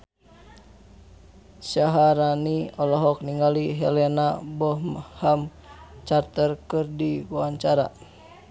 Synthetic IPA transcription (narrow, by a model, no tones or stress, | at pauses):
saɦaɾaniɔlɔɦɔk̚niŋaliɦɛlɛnabɔmham | t͡ʃart̪ərkɨrdiwaɲt͡ʃaɾa̰